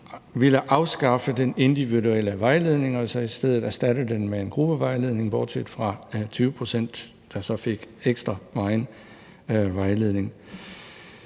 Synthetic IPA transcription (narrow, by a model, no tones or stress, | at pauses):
ʋiləʔɑ̈ʊsɡ̥ɑ̈fəd̥ene̝nd̥iʋiðuel̰əʋɑ̈ɪle̝ð̞ˠne̝ŋɒ̽sɒ̽isd̥eð̞ˠð̩ˠæɐsd̥æd̥əð̩ˠd̥enmee̝nɡ̥ʁub̥əʋɑ̈ɪle̝ð̞ˠne̝ŋb̥ɒːd̥sʰed̥fʁɑ̈t͡sʰyːʊəpʰʁo̝sen̰d̥ː | ɑ̈sɒ̽fe̝ɡ̥eɡ̥sd̥ʁɐʋɑ̈ɪn | ʋɑ̈ɪle̝ðˠne̝ŋ